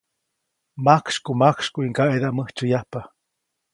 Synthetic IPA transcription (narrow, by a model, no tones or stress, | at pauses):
makʂkumakʂkuiŋɡaʔed̪aʔməht͡ʃujahpa